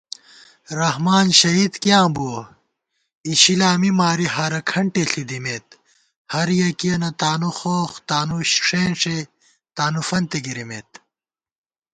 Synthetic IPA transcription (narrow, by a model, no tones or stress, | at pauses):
ɾɐhmaːnɕɐɦiːd̪kjãːbu | iɕilaːmimaːɾiɦɐɾɐkʰɐɳʈeɬid̪imet̪ | hɐɾjɐkijɐnɐt̪aːnuxoːxt̪aːnuɕʂeːnʂe | t̪aːnufɐnt̪eɡiɾimet̪